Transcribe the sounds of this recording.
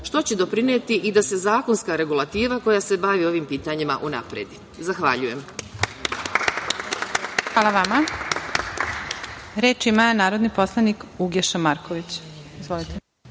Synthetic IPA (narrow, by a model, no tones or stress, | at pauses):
ʃt̪o̞t͡ɕed̪o̞pɾinet̪iʔid̪ase̞zaːko̞nskaɾe̞ɡulat̪iːʋako̞jase̞baʋio̞ʋimpiːt̪aɲima̰ʔuna̰pɾeːd̪i | zaxʋaʎuje̞m | xʋaːlˠaʋama | ɾeːt͡ʃimanaːɾo̞d̪nipo̞slˠanikuɡjeʃamaɾkoʋit͡ɕ | izʋo̞lit̪e